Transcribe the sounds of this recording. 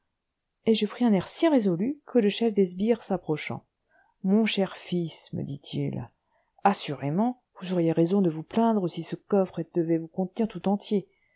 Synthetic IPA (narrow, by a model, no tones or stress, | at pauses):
eʒəpχiɛ̃nɛʁsiʁezɔlykʰələʃɛfd̪ɛzbiʁsapχɔʃɑ̰̃ | mɔ̃ʃɛʁfismə̰d̪it̪ʰḭl | asyʁemɑ̃ | vuzɔʁjeʁezɔ̃d̪əvuplɛ̃d̪ʁəsisəkɔfχed̪̥əvɛvukɔ̃t̪niʁt̪ut̪ɑ̃t̪je